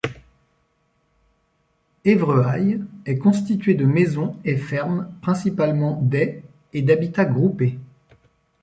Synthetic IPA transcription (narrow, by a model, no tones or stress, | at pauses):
evʁøajɛkɔ̃st̪it̪ɥed̪əmezɔ̃efɛʁmpχɛ̃sipalmɑ̃d̪ɛ | ed̪abit̪aɡʁupe